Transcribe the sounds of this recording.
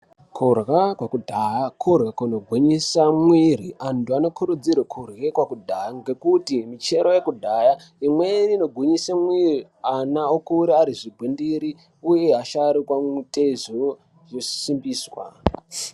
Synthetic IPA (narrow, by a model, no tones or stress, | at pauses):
kʰurɣakwakudʱajakʰurɣakunoɡʱwiɲisamwiriʔantuano̞kuɾud͡zirwekʰurɣekwakudʱajaŋɡe̞kutimit͡ʃe̞ɾoje̞kudʱaja | imweino̞ɡʱwiɲisamwiri | anaokuɾiaɾiʐiɡʱwindiɾi | uje̞aʃaɾikwamutʼezu | ʐusimbiːswa̰